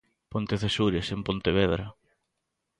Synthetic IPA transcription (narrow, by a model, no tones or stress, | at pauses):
pont̪eθesuɾesempont̪eβeðɾɐ